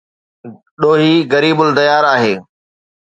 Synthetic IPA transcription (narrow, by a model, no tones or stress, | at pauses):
ɗoːɦiɣɐɾiːbʊlt̪ɐjaːɾaːɦeː